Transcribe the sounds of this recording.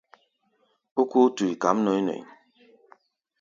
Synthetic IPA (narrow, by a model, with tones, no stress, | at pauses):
u˦ku˦tu˨i˨ka˨˦m̩˦nɔ˨i˦no̰˨